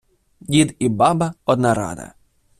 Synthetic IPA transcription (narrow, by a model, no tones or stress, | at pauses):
dʲid̪ibɑbɐɔd̪nɑɾɑ̰d̪ɐ̰